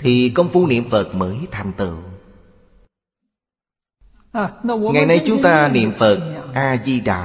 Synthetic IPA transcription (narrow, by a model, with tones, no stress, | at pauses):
t̪ʰi˨˩kə˧wŋ͡mfu˧nḭ˧˨əmfə˨˩t̚məː˨˦jt̪ʰa˨˩jŋ̟t̪ɨ̰˧˨ | ŋa˨˩jna˧jt͡ɕʊ˨˦ŋ͡mt̪aː˧nḭ˧˨əmfə˨˩t̚ʔaː˧zi˧ɗa̰ː˧˨